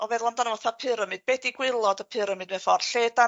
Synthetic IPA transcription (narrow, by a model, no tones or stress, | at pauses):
ɔvɛðlˠɔndanəvɔθapʰɨɾəmɨd̚bɛdiɡwɪlˠɔdəpʰɨɾəmɨdmɛfɔrɬeːda